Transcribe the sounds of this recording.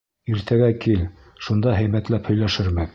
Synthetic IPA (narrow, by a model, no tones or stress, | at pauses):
iɾt̪ʰæɡækil | ʃund̪ɑɦɘ̆jmæt̪læphɵ̆jlæʃɘɾmɘ